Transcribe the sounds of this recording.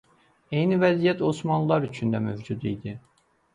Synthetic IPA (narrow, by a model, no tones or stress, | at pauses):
e̞jnivæzijæt̪ʰo̞smɑnlˠlˠɑɾyt͡ʃʰynd̪æmøvd͡ʒud̪ijd̪i